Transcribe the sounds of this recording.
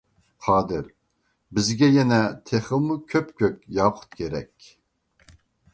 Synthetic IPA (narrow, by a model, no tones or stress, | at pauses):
qʰɑːd̪ɪɾ | bɪzɡʲɛjɛnɛt̪ʰeχəlmukʲʰøpkʲøkʲjɑwqʰə̥t̪kʲʰeɾɛ̰kʲ